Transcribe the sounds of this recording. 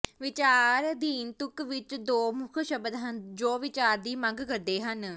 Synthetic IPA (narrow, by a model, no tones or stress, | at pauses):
ʋɪt͡ʃaːɾd̪iːnt̪ʊkʋɪt͡ʃd̪oːmʊkʰʃəbəd̪ɦənd͡ʒoːʋɪt͡ʃaːɾd̪iːməŋɡkəɾd̪eːɦən